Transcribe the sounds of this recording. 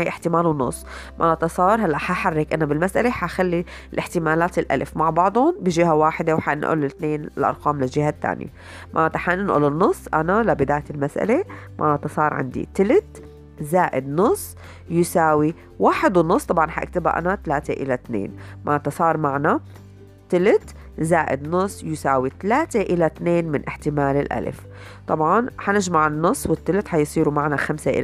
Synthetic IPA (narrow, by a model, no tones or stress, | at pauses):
ʕiʔɪħt̪ɪmaːlwnʊ̰sˤːmʔa̰ʕʔt̪ɑsˤɑːɾˤɦalːaʔħaħarːɪkʔɪnːabɪlmasʔaleħaxalːi | lʔɪħt̪ɪmaːlaːt̪ɪlʔa̰lfmaʕbɑʕd̪ˤʊnbɪʒɪɦawaːħɪd̪ewħaʔɪnʔṵːlɪt̪neːnlʔɑ̰ɾˤqɑːmlɪlʒɪɦat̪ːa̰ːnjḛ | mʔaʔt̪aħanɪnʔṵːlɪnːʊsˤːʔanalabɪd̪aːjaɪlmasʔa̰lemʔa̰ʔt̪ɑsˤɑːɾˤʕɪ̰nd̪ḭt̪ɪlɪt̪ | zaːʔɪd̪nʊsˤː | jɪsaːwi | waːħɪd̪wɪnːʊsˤt̪ˤɑbʕɑnħaʔa̰k̚t̪aba̰ʔa̰nat̪alaːt̪eʔɪlat̪nḛːnmʔaʔt̪ɑsˤɑːɾˤmaʕna | t̪ɪlɪt̪ | zaːʔɪ̰d̪nʊsˤːjɪsaːwit̪alaːt̪eʔɪlat̪neːnmɪnʔɪħt̪ɪmaːlɪlʔa̰l̰f | t̪ˤɑbʕɑnħanɪʒmaʕɪnːʊsˤːwɪt̪ːɪlɪt̪ħajsˤiːɾumaʕnaxamseʔɪ̰l